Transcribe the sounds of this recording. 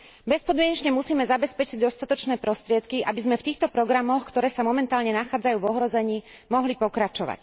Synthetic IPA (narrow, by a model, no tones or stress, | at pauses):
bɛspɔd̪mɪɛɲɛt͡ʃɲɛmusiːmɛzabɛspɛt͡ʃiɟd̪ɔst̪at̪ɔt͡ʃnɛːpɾɔst̪ɾɪɛt̪kiʔa̰bizmɛft̪iːxt̪ɔpɾɔɡɾamɔxkt̪ɔɾɛːsamɔmɛnt̪aːlɲɛnaxaːd͡zajuːʋɔɦɾɔzɛɲiːmɔɦlipɔkɾat͡ʃɔʋa̰c